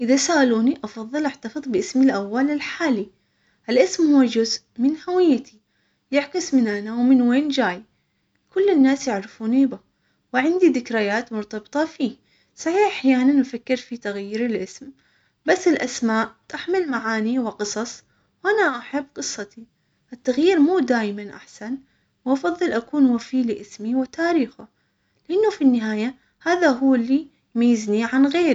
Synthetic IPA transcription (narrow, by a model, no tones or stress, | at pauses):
ʔɪðasaʔaluːniʔɑfɑðˤːɨlʔaʕt̪ɑfɨðˤbɪʔɪsmilʔawːalɪlħaːli | ʔɪlʔɪsmhuwːad͡ʒʊzʔmɪnhawɪjːat̪i | jɪʕkɪsmɪnʔanawmɪnweːnd͡ʒaːj | kʊlːɪnːaːsjɪʕɾɪfuːnibɪ | wɪʕɪnd̪iðɪkɾajaːt̪mʊɾt̪ɑbɨt̪ˤɑfiː | saħiːħʔaħjaːnanʔafakːɪɾfit̪aɣjiːɾɪlʔɪsm | basːɪlʔasmaːʔt̪aħmɪlmaʕaːniwɪqɨsˤɑsˤ | wʔanaʔaħabːqɨsˤːɑt̪i | ʔɪt̪ːaɣjiːɾmuːd̪aːjmanʔa̰ħsan | wʔɑfɑðˤːɨlʔakuːnwafiːlɪʔɪsmiwɪt̪aːɾiːxa | lɪʔɪnːufinːɪɦaːja | haːðaɦʊːɪlːi | majːɪzniʕanɣeːɾi